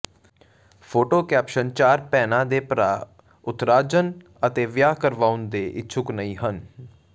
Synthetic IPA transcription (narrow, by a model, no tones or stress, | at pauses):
pʰoːʈoːkɛːpʃənt͡ʃaːɾpɛːnãːd̪eːpɾaː | ʊt̪ɾaːd͡ʒən | ət̪eːʋjaːkəɾʋaːʊnd̪eːʔɪt͡ʃʰʊknəĩːɦən